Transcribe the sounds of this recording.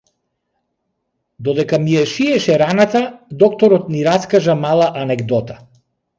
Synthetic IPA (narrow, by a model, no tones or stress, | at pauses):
d̪ɔd̪ɛkamijɛʃiɛʃɛɾanat̪ad̪ɔkt̪ɔɾɔt̪niɾaskaʒamalˠaʔanɛɡd̪ɔt̪ḁ